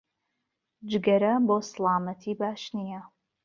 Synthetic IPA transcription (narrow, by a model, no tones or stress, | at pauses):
d͡ʒɪɡɐɾɐboːsɨlaːmɐtʰiːbaːʃnijɐ